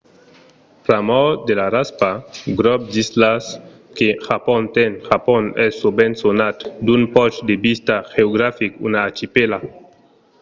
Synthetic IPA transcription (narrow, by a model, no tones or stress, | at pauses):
pɾamɔd̪elaɾaspaɡɾɔp̚d̪islas | kexapɔnt̪enxapɔnɛsːobensonat̪d̪unpɔt͡ʃd̪ebist̪axeoɡɾafikṵnaːt͡ʃipela